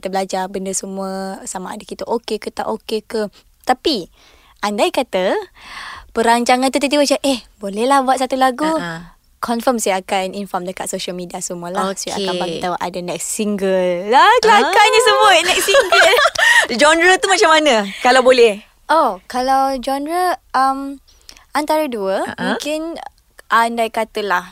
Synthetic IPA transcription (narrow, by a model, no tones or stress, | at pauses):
kt̪əbəlad͡ʒabəndəsəmuəsamaʔːdakit̪əʔokekət̪a̰ʔokekə | t̪api | ʔandajkat̪ə | pəɾaɲt͡ʃaŋant̪ut̪it̪ibət͡ʃaʔɛhbolɛhlahbuaʔ̪s̬at̪ulaɡu | kʰɔnfəmsajakaninfɔmdəkat̪̚soʃalmidiasəmuəlahsaa̰kkanbait̪awʔa̰danɛk̚siŋɡəlːakəlakaɲəsəmuənɛk̚siŋɡəld͡ʒɔndɾət̪umat͡ʃamːanəkalawbolɛh | ʔokalawd͡ʒɔndɾəəm | ant̪aɾəduəmũkɪn | ʔandajkat̪əlah